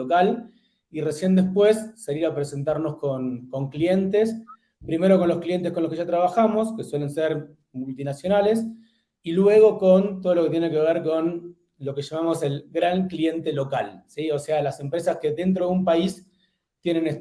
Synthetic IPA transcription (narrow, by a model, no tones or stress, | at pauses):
okal | iresjend̪e̞hpwe̞sːaliɾapɾese̞nt̪aɾno̞sko̞nko̞ŋklie̞nt̪es | pɾime̞ɾo̞konlo̞sklije̞nt̪ehkonlokeʒat̪ɾaβaxamo̞ske̞swe̞le̞nseɾ | mult̪inasjo̞nale̞s | ilwe̞ɣ̞o̞ko̞nt̪̬oð̞oloke̞t̪jene̞ke̞β̞eɾko̞n | lo̞ke̞ʃamamo̞se̞lɣɾaŋklie̞nt̪e̞lo̞kalsio̞sealase̞mpɾesaske̞ðe̞nt̪̬ɾoðeumpais | t̪je̞ne̞ne